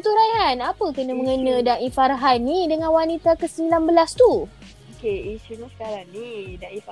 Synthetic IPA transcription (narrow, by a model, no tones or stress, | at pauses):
t̪uɾajɦanapəkənəmə̃ŋənə̃daʔifarɦanːidəŋãnwanit̪akəsəmilanbəlast̪u | okeiʃunisə̥kaɾaŋnidaif